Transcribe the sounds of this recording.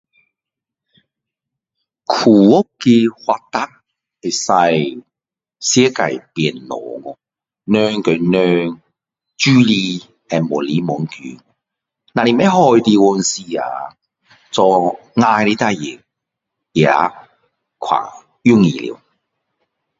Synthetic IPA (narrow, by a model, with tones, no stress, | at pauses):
kʰuː˨˩wʊ˦˥kkːi˧hwa˧t̪a˦˥t̚ | e˨˩sa˧j | sjɛ˥ka˨˩jpɛ˨˩nlɔ̰ː˨ŋɔ˧ | nœː˧˥ŋkɵ˨˧nœː˧ŋ | t͡ʃyː˥liː˧ | ɛ˨˩mːɔ˨˩liː˨˦mɔ˨˦ŋkyː˨˦n | na˨ni˨˩mɛ˧˥ɦɔː˧jt̪iː˧wɔ˧nsiː˧a̰ː˨ | t͡sɔː˧ | ŋaː˧jli˧˥t̪a˧˥ji˨˩ŋ | jaː˨˦ | kʰwa̰ː˨˩ | jy˥ŋḭ˨lḭ˨˦w